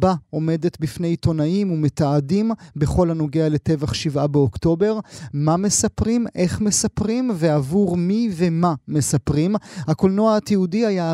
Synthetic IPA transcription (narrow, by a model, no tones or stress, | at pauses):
bao̞me̞de̞t̪bifne̞jt̪o̞naimume̞t̪aːdimbe̞χo̞lhano̞ɡeale̞t̪e̞vaχʃivʔabeokto̞be̞ʁmame̞sapʁimʔe̞χme̞sapʁimve̞avuʁmive̞mame̞sapʁimhako̞lnoaat̪iudiaja